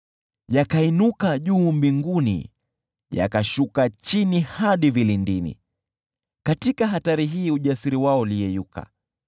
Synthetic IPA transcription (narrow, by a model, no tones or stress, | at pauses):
jakainukaʄuːmbiŋɡunḭ | ja̰kaʃukat͡ʃinihaɗivilindinḭ | katikaɦataɾiɦiːuʄasiɾiwaɔulijɛjukʰa̰